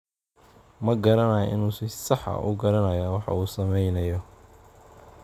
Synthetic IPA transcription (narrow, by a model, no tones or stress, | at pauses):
mɐɡɐɾɐnɐjɐ̰ʔɪnuːsɪsɑħɐ̰ʔʊ̰ɡɐɾɐnɐjawɑħɑ̰uːsɐmɛjnɐjɔ